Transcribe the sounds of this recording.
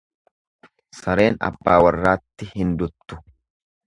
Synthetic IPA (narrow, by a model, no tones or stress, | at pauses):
sɐɾe̞ːnɐ̰bːaːwɐrːaːt̪ːɪhɪnd̪ʊt̪ːʊ̥